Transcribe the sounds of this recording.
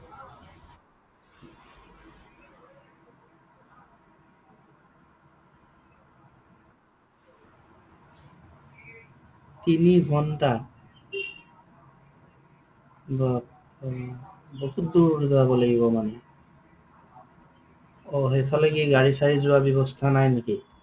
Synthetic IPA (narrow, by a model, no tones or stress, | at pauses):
t̪inibʱɔnta | bɔ | boɦut̪̚d̪ud̪ɛabɔlaɡiβɔmane | oɦet̪ʰɔlekiɡaɹisaɹizuabɔβɔst̪ʰanajneki